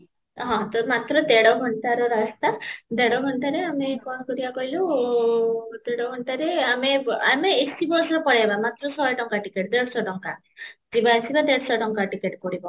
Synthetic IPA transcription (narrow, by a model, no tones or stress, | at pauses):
ɦɔ̃t̪ɔmat̪ɾɔt̪eɽɔɦɔɳt̪aɾɔɾast̪ad̪eɽɔɦɔnt̪aɾeamekɔnkɔɾibakɔɦilo | t̪eɽɔɦɔnt̪aɾeameameːsibɔɾsɔpɔɽaebamat̪ɾɔsɔjʈɔŋkaʈikeʈd̪eɽɔsɔʈɔŋka | d͡ʒibaesibad̪eɽɔsɔʈɔŋkaʈikeʈkɔɽibɔ